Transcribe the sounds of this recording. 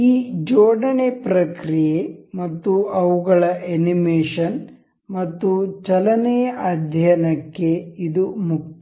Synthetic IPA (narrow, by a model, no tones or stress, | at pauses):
iːd͡ʒɔːɽɐnepɾɐkɾijemɐt̪ːuɐʋuɡɐɭɐʔenimeːʂɐn | mɐt̪ːut͡ʃɐlɐnejɐaːd̪ʱjɐnɐkːeid̪umuk̚t̪